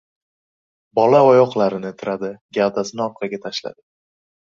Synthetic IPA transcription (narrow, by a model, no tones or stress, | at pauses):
bɒlaɒjɒqlaɾɪnɪt̪ʰɪɾad̪ɪɡʲald̪asɪnɪɒɾ̚qʰɑɡʲat̪ʰaʃla̰d̪̥ɪ